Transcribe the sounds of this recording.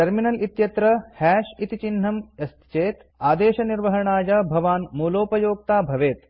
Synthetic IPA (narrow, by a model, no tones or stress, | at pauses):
ʈɐɾminɐlʔit̪jɐt̪ɾɐhɛːʃit̪it͡ʃinɦɐmɐst̪ʰt͡ʃeːt̪ | aːd̪eːʃɐniɾʋɐɦɐɳaːjɐbʱɐʋaːnmuːloːpɐjoːk̚t̪aːbʱɐʋeːt̪